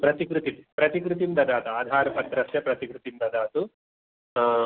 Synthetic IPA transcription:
pɾɐt̪ikɾut̪it̪ipɾɐt̪ikɾut̪imd̪ɐd̪aːt̪uaːd̪ʱaːɾɐpɐt̪ːɾɐsjɐpɾɐt̪ikɾut̪ind̪ɐd̪aːt̪u

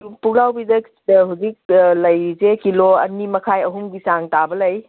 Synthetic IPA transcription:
pulawbidɐk | ɦuzik̚lɐjɾizekiloɐ̰nimɐkʰajɐɦuŋbisaŋtabɐlɐj

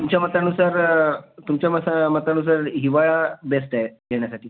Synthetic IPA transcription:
umt͡ɕjamət̪anusaɾt̪umt͡ɕjaməsamət̪anusaɾɦiʋajabesʈaeɡeɳ̃jasaʈiː

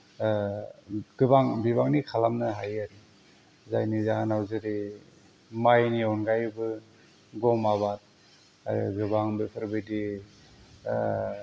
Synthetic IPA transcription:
ɡ̥ɯbaŋbiβaŋnikʰalamnɯɦajaɾi | zajnizaɦanawzɯɾi | majniɔnɡajbɯ | ɡɔmaβat̚ | a̰ɾḭɡɯbaŋbipʰɯɾbɯjdi

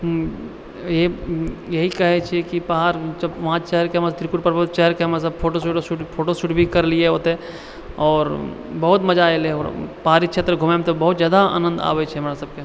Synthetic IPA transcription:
jejɐɦikɐɦet͡ʃʰekipɐɦaːɾt͡ʃɐʋɦãt͡ʃɛɦəɾkemãt̪ɾikʊɾpɐɾbt͡ʃɛɦəɾkeɦmes̬ɐbpʰoːʈosuʈsuʈpʰoːʈosuːʈbʱikɐɾlieɦoːt̪e | ɔːɾ | bɐɦʊt̪mɐd͡ʒaːɪlɛoːɾpɐɦaːɾikt͡ʃʰet̪ɾəɡʱʊmemt̪obɐɦʊt̪zjaːd̪aa̰ːnə̃nd̪a̰ːʋet͡ʃʰɛɦmɾasɐb̚ke

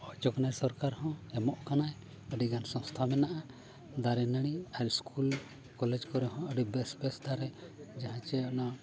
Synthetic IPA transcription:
ɔt͡ʃɔkanajsɔɾkaɾhɔ̃ɛmɔʔkanaj | əɖiɡansɔ̃st̪ʰamɛnaʔa | d̪aɾɛnəɽ̃iaɾiskʰul | kɔlɛd͡ʒkɔɾɛɦɔ̃əɖibɛsbɛsd̪aɾɛd͡ʒaɦãt͡ʃɛɔna

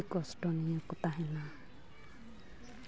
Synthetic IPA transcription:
kɔsʈɔnijɔkut̪aɦɛna

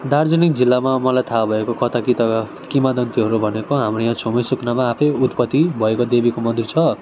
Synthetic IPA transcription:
d̪ard͡zʌnik̚d͡zilːamamʌlajt̪ʰabʱʌekokʌt̪ʰakit̪ʌ | kimad̪ʌnt̪iɦʌɾubʱʌnekoɦamrojãt͡sʰomesuknamaːpʰʌjut̪pʌt̪ːibʱʌekod̪ebikomʌnd̪ʱirt͡sʰʌ

